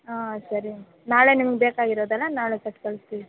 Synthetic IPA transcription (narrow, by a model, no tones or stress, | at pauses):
aːsɐɾi | naːɭenimɐɡebeːkaːɡiɾoːd̪ɛlːɐnaːɭesɐʈkɐɭst̪ii